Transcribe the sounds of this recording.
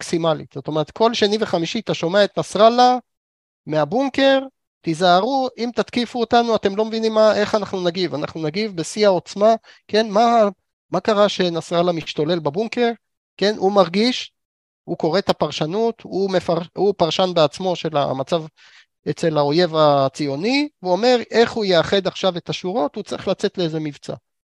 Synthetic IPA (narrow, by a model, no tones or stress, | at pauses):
maksimalḭtz̥o̞t̪o̞meʁet̪̚kʰo̞lʃeniveχamiʃit̪aʃo̞me̞ae̞t̪nasʁala | meabuŋke̞ʁ | t̪izaːʁuimt̪at̪kifuotanuate̞mlo̞mevinimːaʔe̞χanaχnunaɡivana̰χnunaɡivbe̞siao̞t͡sma | ke̞nma | makaʁaʃe̞nasʁalamiʃtole̞lbabuŋke̞ʁ | ke̞numaʁɡiʃ | huko̞ʁe̞t̪apaʁʃanut̪umefaʁupaʁʃanbeat͡smo̞ʃe̞la̰mat͡sav | et͡se̞lao̞je̞vat͡sijo̞nivuome̞ʁe̞χhujeaχe̞d̪aχʃave̞t̪aʃuʁo̞tut͡siχlat͡se̞t̪leeze̞mivt͡sa̰